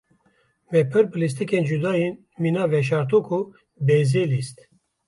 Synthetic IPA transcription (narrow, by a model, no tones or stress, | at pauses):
vɛpʰɨɾbɨlis̬t̪ikend͡ʒud̪aːjen | minaːvɛʃ̬ɑːɾt̪uːkʰu | beːzeːlist̪